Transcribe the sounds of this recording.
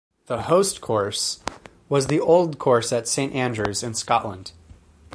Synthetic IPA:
ðəhoʊstkʰɔɹs | wʌzðiʔoʊlˠd̚kʰɔɹsɨtsẽɪ̃ntæ̃ndɹʉzɨ̃nskɑʔlə̃nd̥

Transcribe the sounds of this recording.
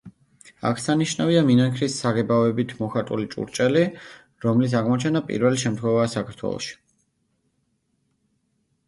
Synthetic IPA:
a̰kʰsaniʃnaviaminaŋkʰɾisːaʁɛbaɔɛbit̪ʰmɔχat̪ʼulit͡ʃʼṵɾt͡ʃʼɛli | ɾɔmlis̬aʁmɔt͡ʃʰɛnapʼḭɾvɛliʃɛmt̪χwɛvaːsakʰaɾt̪ʰwɛ̰lˠɔ̰ʃi̥

